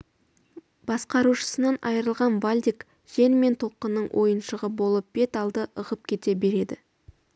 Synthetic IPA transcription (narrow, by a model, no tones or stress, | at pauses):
bɑsqɑɾuʃə̥sənɑnɑjəɾəlˠʁɑnvalʲd̪ʲik | ʒ̥e̞nme̞nt̪ʰo̞lˠqənːəɴwʔo̞̰jənʃəʁəbo̞lˠəp̚b̥e̞t̪ɑlˠd̪əʔəʁəp̚kʲʰe̞t̪e̞be̞ɾe̞d̪ɪ